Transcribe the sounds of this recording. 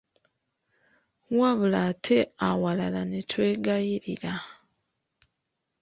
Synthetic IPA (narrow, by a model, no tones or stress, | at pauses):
waβulaːtʰe̞awalalanetʰwe̞ːɡajiɾiɾa